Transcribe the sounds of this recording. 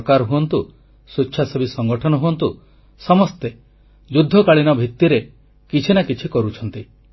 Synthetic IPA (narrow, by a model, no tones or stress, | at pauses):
kaɾɦuɔnt̪u | suːʃʰasebisɔŋɡɔʈʰɔnɔɦuɔnt̪u | sɔmɔst̪e | d͡ʒud̪ʱːɔkaɭinɔbʱit̪ːiɾe | kit͡ʃʰinakit͡ʃʰikɔɾut͡ʃʰɔnt̪i